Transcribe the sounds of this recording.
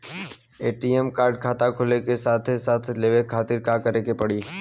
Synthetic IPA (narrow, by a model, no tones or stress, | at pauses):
eːʈiːɛmkaːɾɖ̚kʰaːt̪akʰʊlekesaːt̪ʰesaːt̪ʰleːʋekʰaːt̪ɪɾkaːkəɾeːkepɐɽiː